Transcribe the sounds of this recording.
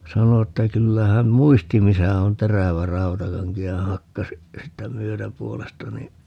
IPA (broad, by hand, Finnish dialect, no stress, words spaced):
sɑno etːæ kylːæ hæm muisti misæ on teræʋæ rɑntɑkɑŋki jɑ hɑkːɑs siːtːæ myøtæpuolestɑ ni